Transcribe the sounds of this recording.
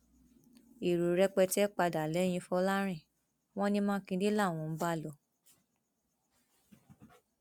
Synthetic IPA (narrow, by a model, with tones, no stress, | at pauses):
i˨ɾu˨ɾɛ˧k͡pɛ˧tɛ˦k͡pa˧da˨lɛ˨˦j̃ĩ˧fɔ˧˦la˦ɾ̃ĩ˦˨ | w̃ɔ̃˦nĩ˦mãː˦kĩ˧di˦la˦˨w̃ɔ̃˧m̩˦ba˦˨lɔ˨